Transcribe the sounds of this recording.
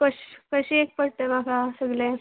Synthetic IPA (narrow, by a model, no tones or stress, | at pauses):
kəɕkəɕiek̚pəɽt̪emakʰasəɡlẽ